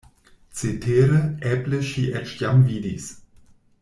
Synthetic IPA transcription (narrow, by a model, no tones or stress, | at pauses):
t͡setʰeːɾəʔɛpləʃiːʔɛt͡ʃtjamviːdis